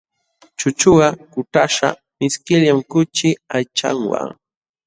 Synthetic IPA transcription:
t͡ʃʊt͡ʃʊɢɑkʊt̪aʃa̰ | mɪskɪʎjamkʊt͡ʃɪajt͡ʃa̰ŋwa̰ŋ

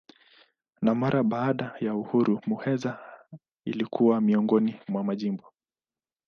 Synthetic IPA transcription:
namaɾʔaɓaːɗajauhuɾumuhɛza | ḭlikʰuwamiɔŋɡɔnimwamaʄimbɔ

